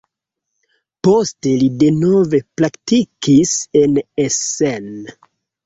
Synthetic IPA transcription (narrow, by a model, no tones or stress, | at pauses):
poste̞lide̞no̞ve̞pɾaktikise̞nesen